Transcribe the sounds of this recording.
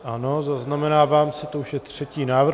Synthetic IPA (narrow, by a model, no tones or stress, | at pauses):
ʔano̞zaznamɛnaːvaːmsɛt̪ouʃjɛt̪r̥ɛciːnaːvr